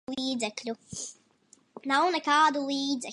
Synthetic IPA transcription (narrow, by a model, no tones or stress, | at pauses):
liiːd̪zɛklʲu | nawnɛkaːd̪ulˠiːd̪zɛ